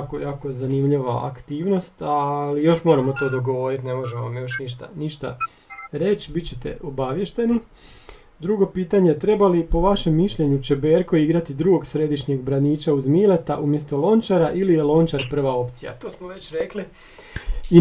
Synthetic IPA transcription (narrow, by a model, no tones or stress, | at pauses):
kojaːko̞zanimʎiʋaa̰kt̪iːʋno̞st̪alijo̞ʃmo̞ːɾamo̞t̪o̞d̪o̞ɡo̞ʋo̞ɾit̪ne̞mo̞ʒemoamjo̞ʃ̬niʃt̪a̰niʃt̪a̰ | ɾe̞t͡ɕbitt͡ɕe̞t̪e̞̰ʔo̞baʋje̞ʃt̪e̞ni | d̪ɾuɡo̞piːt̪aɲe̞jet̪ɾe̞balipo̞ʋaʃe̞mːiʃʎe̞ɲut͡ɕe̞be̞ɾko̞iɡɾat̪id̪ɾuɡo̞ɡsɾe̞d̪iʃɲe̞ɡbɾaniːt͡ʃauzmilet̪aʔumje̞st̪o̞lˠo̞nt͡ʃaɾaʔilijelˠo̞nt͡ʃaɾpr̩ʋao̞pt̪sija̰t̪oːsmoʋe̞t͡ɕɾe̞kli | i